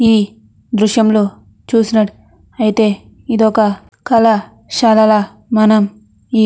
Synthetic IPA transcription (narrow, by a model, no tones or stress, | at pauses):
iː | d̪ɾuʃjɐmloː | t͡ʃuːsinɐʈ | ɐjit̪e̞ː | id̪ɔkɐ | kɐlɐ | ʃɐlɐlɐ | mɐnɐm | iː